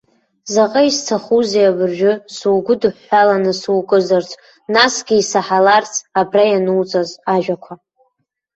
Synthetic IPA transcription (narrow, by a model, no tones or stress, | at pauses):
zaqʼaistʰaχuzejabɨrʒᶣʊsuwɡʷʊdɨħːalanɨsuwkʼɨzart͡sʰʷʼ | nasɡʲɪisaħalart͡sʰʼabrajanɨwt͡sʼazaʒᶣakʷʰa